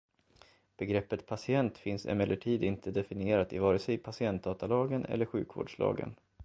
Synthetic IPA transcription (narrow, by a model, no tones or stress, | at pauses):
b̥ɛɡɾɛpːət̪pʰasɪɛnt̪fɪnsɛ̰mɛlːəʈʰiːd̪ɪnt̪ʰəd̪ɛfɪnɪeːɾat̪ɪvɑːɾəsɛjpʰasɪɛnt̪̚d̪ɑːt̪alɑːɡənʔɛ̰lːəɾɧʉ̟ːkvo̰ːɖʂlɑ̰ːɡə̰n